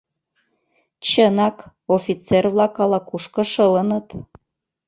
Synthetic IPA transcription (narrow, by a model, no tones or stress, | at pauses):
t͡ɕənɑk | ofʲit͡servlɑkɑlˠɑkuʃkɤ̆ʃələ̆nət̪